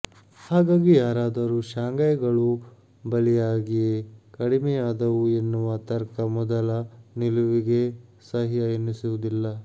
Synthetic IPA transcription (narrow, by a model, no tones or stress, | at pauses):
haːɡaːɡijaːɾaːd̪ɐɾuʃaːŋɡɐjɡɐɭu | bɐlɛjaːɡijekɐɽimɛjaːd̪ɐʋuenːuʋɐt̪ɐɾkɐmɔd̪ɐlɐniluʋiɡe̞sɐɦiɐjɐnːisuʋud̪ilːɐ